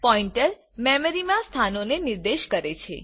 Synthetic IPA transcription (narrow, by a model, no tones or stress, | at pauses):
pɔiɳʈəɾ | mɛməɾimãst̪ʰanoneniɾd̪eʃkəɾet͡ʃʰḛ